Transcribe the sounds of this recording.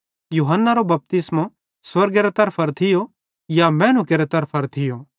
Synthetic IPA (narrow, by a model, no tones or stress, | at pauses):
juːɦənːaɾobɐp̚t̪ɪsmo | swɐɾɡeːɾot̪ɐɾpʰɐɾt̪ʰɪjo | jamɛːnukeːɾet̪ɐɾpʰɐɾt̪ʰɪjo